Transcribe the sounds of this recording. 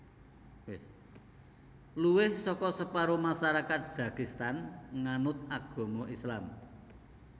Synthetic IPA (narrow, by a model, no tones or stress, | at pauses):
wɪs | luwɪhsɔkɔsəpaɾomasaɾakat̪̚b̥ä̤ɡ̥ist̪anŋanʊt̪̚aɡ̥ɔ̤moislam